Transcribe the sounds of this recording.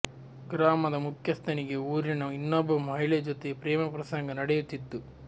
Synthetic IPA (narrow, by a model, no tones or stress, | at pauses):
ɡɾaːmɐd̪ɐmukʰjɐst̪ʰɐniɡe̞uːɾinɐinːobɐmɐɦiɭed͡ʒot̪epɾɛːmɐpɾɐsɐŋɡɐnɐɽejut̪ːit̪ːu